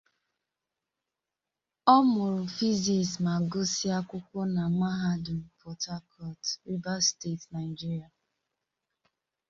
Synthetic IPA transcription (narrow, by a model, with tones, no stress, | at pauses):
ɔ˦mʊ˨ɾʊ˨fi˦zi˨sma˨ɡʊ˦si˦a˦kʷʊ˦kʷɔ˦na˨ma˦ɦa˦du˨m̩˨pʰɔ˨ta˦kʰɔ˦tɾi˦ba˦ste˦˨tna˨ɪ˨d͡ʒi˦ɾi˨a˨